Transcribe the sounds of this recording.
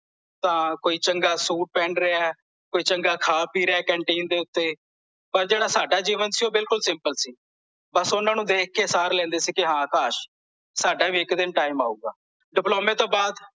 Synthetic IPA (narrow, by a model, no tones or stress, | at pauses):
t̪ãːkoːiːt͡ʃəŋɡaːsuːʈ̚pɛ̃ːɳɾɪaː | koːiːt͡ʃəŋɡaːkʰaːpiːɾeɛːkɛ̃ːɳʈiːnd̪eːʊt̪ːeː | pəɾd͡ʒeːɽaːsaːɖaːd͡ʒiːʋənsiːoːbɪlkʊlsɪ̃mpəlsiː | bəsʊnãːnũːd̪eːk̚ʰkeːsaːɾlɛ̃ːnd̪eːsiːkɪɦãːkaːʃ | saːɖaːbiːɪkd̪ɪnʈaːɪma̰ːuːɡa̰ː | ɖɪploːmẽːt̪oːbaːd̪